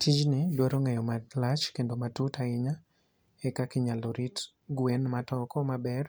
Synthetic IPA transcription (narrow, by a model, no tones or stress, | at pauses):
tʰid͡ʒnɪdwaɾoŋɛjɔmalat͡ʃkendomatutaɪɲa | ɛkakɪɲaloɾit | ɡwenmatɔkɔmabɛr